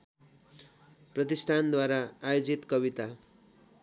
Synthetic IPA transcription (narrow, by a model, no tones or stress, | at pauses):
prʌt̪isʈʰand̪waɾaːjod͡zit̪kʌβit̪a